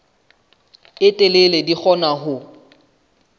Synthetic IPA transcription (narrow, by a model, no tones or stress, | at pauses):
ɪtʼɪleledik͡xʰɔnaɦʊ